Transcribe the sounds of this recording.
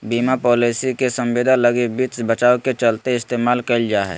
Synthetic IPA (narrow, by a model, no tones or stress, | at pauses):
biːmapɔːlisikesə̃mʋeːd̪ʱaləɡebit̪bət͡ʃaːwket͡ʃəlt̪eɪst̪eːmaːlkəld͡ʒaːɦɛ̰